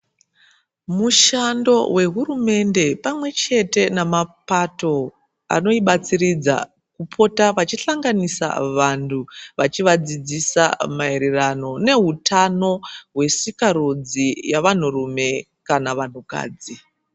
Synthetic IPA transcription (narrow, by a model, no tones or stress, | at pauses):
muʃando̞we̞ɦuɾume̞nde̞pamwe̞t͡ʃe̞te̞namapato̞ | a̰no̞iɓat͡sirid͡za̰ | kupʰo̞taʋat͡ʃiɬaŋɡanisa̰ʋantʰuʋat͡ʃiʋad͡zid͡zisa̰maeɾerano̞ne̞ɦutano̞ɦwe̞sikaɾud͡zijaʋan̤uɾume̞ | kanaʋan̤uka̰ːd͡zi